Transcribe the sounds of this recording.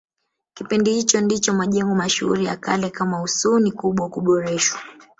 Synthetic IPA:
kipindihit͡ʃɔndit͡ʃɔmaʄɛŋɡɔmaʃuṵɾijakalɛkamausunikuɓwakuɓɔɾɛʃwa

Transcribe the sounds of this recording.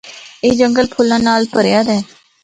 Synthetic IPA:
eːd͡ʒəŋɡəlpʰʊlːãːnaːlpəɾjaːd̪ɛː

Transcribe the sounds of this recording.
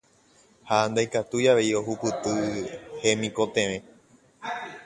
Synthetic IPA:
hand̪ajkat̪ujaʋe̞io̞hupɨt̪ɨhe̞mĩko̞t̪ẽ̞ʋẽ̞

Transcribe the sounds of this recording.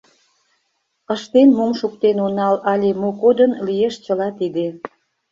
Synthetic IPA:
əʃt̪enmomʃukt̪enonɑlɑlʲemokod̪ənlijeʃt͡ɕəlɑt̪id̪e

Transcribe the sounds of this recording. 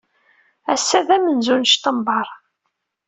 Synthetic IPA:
æsːæðæmənzunʃt̪əmbɑɾˤ

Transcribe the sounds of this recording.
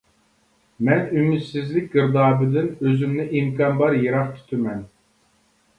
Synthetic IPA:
mɛnymyt̪sɪzlɪk̚ʲɡɨɾd̪ɑːbɨd̪ɪnøzymnɪʔimkʰɑnbɑɾjeɾɑqt̪ʰy̥t̪ʰɪmɛn

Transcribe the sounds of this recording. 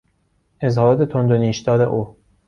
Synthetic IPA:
ʔezhɒːɾɒːt̪ʰet̪ʰond̪oniːʃd̪ɒːɾḛʔo

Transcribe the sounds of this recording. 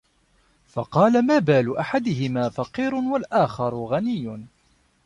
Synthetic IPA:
fɑqɑːlamaːbaːlʊːʔaħad̪ɪɦɪmaːfɑqiːɾʊwalʔaːxɑɾˤʊɣanɪjːʊ

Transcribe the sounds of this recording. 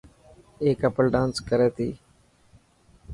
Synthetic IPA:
eːkəpəlɖãːnskəɾeːt̪ḭː

